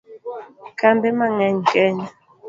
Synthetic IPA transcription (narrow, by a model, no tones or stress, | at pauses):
kambɛmaŋɛɲkɛɲ